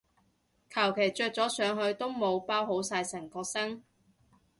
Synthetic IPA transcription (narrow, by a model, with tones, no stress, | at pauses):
kʰɐ˨˩wkʰe˨˩jt͡ʃœː˧t͡sɔː˨˥sœː˨˧ŋɦɵ˨˧ɥt̪o˥wmo˨˧wpaː˥wɦo˨˥wsaː˧jsɐ˨˩ŋkɔː˧k̚sɐ˥ŋ